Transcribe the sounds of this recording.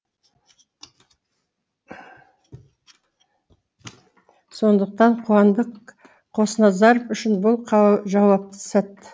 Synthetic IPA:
so̞nd̪əq̚t̪ɑɴqʰuɑnd̪əq | qʰo̞sənɑzɑɾpʏʃɪnbʊlˠqʰɑʒɑwɑp̚t̪əsɑt̪ːə

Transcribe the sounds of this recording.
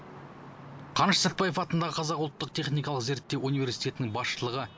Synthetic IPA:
qʰɑnʃəsæt̪pɑjəfɑt̪ənd̪ɑʁəqʰɑzɑqʊlˠət̪ːəqt̪ʰe̞χnijkɑlˠəqze̞ɾt̪ːe̞wunijvʲe̞ɾsijt̪ʲe̞t̪ɪnɪŋbɑsʃəlˠəʁə

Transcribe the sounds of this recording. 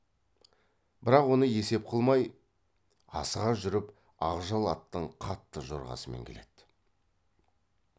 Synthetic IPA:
b̥ɪɾɑqwo̞nəje̞se̞p̚qʰəlˠmɑj | ɑ̰səʁɑʒʏɾɪp | ɑʁʒɑlˠɑt̪ːəɴqʰɑt̪ːəʒo̞̰ɾʁɑ̰səme̞̰ŋkʲʰele̞d̪̥

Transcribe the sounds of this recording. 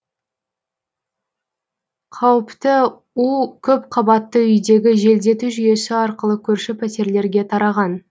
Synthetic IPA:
qʰɑwəpt̪ə | ukʲʰɵpqʰɑbɑt̪ːəʏjd̪e̞ɡʲɪʒe̞ld̪e̞t̪uʒʏje̞sɪɑɾqəlˠəkʲʰɵɾʃɪpʲʰæt̪e̞ɾle̞ɾɡʲe̞t̪ʰɑɾɑʁɑn

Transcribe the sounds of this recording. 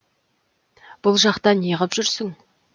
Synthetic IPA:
b̥ʊlˠʒɑqt̪ɑnijəʁəpʒʏɾsɪŋ

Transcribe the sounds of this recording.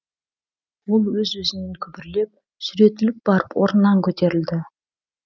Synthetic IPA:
wo̞lˠwɵzwɵzɪneŋkʲʰʏbɪɾle̞p̚ | sʏɾe̞t̪ːɪlɪp̚b̥ɑɾəpwo̞ɾnːɑŋkʲʰɵt̪e̞ɾɪld̪ɪ

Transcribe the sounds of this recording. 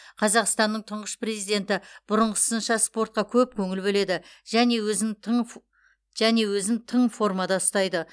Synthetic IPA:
qʰɑzɑqst̪ɑnːəɴt̪ʰʊɴʁəspre̞zijd̪e̞nt̪ɪb̥ʊɾəɴʁəsənʃɑspo̞rt̪̚qɑkʲʰɵp̚kʲʰɵŋɪlbɵle̞d̪ɪʒæne̞wɵzɪn | ʒæne̞wɵzɪnt̪ʰəɴfo̞rmɑd̪ɑʊst̪ɑjd̪ə

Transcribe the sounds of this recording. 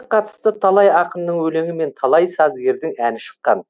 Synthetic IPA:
qʰɑt̪ə̥st̪ət̪ʰɑlˠɑjɑqənd̪əɴwɵle̞ŋɪme̞nt̪ʰɑlˠɑjsɑzɡʲe̞ɾd̪ɪŋænɪʃə̥qːɑ̰n

